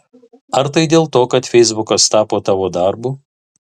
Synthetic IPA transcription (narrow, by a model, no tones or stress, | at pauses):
ɐɾt̪ɐɪd̪ʲeːlˠt̪oːkɐt̪fʲɛɪzbʊkɐst̪ɑːpoːt̪ɑːʋoːd̪ɐɾbu